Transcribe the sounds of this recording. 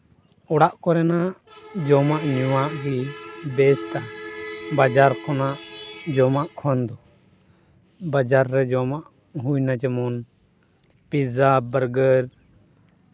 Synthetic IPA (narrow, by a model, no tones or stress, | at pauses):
ɔɽaʔkɔɾɛnaʔ | d͡ʒɔmaʔɲuwaʔɾibɛsʈa | bad͡ʒaɾkʰɔnaʔd͡ʒɔmaʔkʰɔnd̪ɔ | bad͡ʒaɾːɛd͡ʒɔmaʔ | ɦujnad͡ʒɛmɔn | pizabəɾɡəɾ